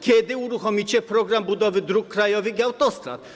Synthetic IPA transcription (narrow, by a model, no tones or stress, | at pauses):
kʰɛd̪iuɾuχɔmit͡ʃʰɛpʰɾɔɡɾambud̪ɔvid̪ɾukʰːɾajɔviɡawt̪ʼɔst̪ʼɾa̰t̪